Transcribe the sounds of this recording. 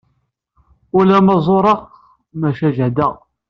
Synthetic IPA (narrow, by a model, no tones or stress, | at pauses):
ʊlæmɑzˤoɾˤɑq | mæʃæʒəʕd̪əʁ